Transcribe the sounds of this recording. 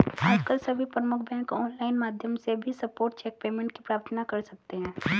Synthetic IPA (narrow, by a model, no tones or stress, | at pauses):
aːd͡ʒkəlsɐbʱipɾəmʊkʰbʱɛ̃kɔːnlaːɪnmaːd̪ʱjəmsebʱisɐpoːɾʈ̚t͡ʃɛːk̚peːmẽɳʈkipɾaːɾt̪ʰənakɐɾsɐk̚t̪eɦɛ̃ː